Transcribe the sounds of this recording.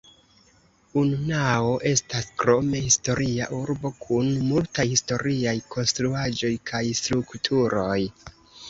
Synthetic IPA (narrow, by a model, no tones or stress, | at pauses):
ununaoʔe̞staskɾo̞me̞histo̞ɾʔia̰ʔuɾbo̞kʰunmultajhisto̞ɾiajkʰo̞nstɾuad͡ʒo̞jkʰajstɾuktʰuɾo̞j